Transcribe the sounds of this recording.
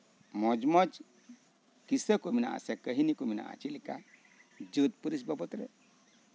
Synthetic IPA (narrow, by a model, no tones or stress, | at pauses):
mɔd͡ʒmɔd͡ʒ | kisəkomina̰a̰sakəɦinikomina̰a̰t͡ʃilika | d͡ʒət̪̚puɾis̬bɔbɔt̪ɾḛ